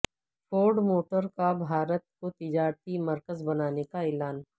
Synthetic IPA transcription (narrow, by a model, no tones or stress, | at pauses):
fʰoːɾɖmoːʈəɾkabʱaːɾət̪̚kot̪ɪd͡ʒaːɾt̪imɐɾkəzbɐnaːnekaeːlaːn